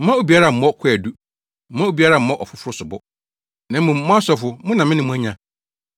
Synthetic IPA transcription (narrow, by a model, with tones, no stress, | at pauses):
m̩˦ã˦o˦bi˨a˦ɾa˦˨m̩˨˦mɔ˦kʷʰʊ˦ɛ˨du˦ | m̩˦mã˦o˦bi˨a˦ɾa˦˨m̩˦mɔ̃˦ʔɔ˨fʊ˦fʊ˦ɾʊ˦sʊ˨bɔ˦ | nã˨˦mʊ̃˨˦m˦ã˦sɔ˨fʊ˨mʊ̃˦nã˨mɪ̃˦nɪ̃˨mũ˦æ̃˦ɲã˦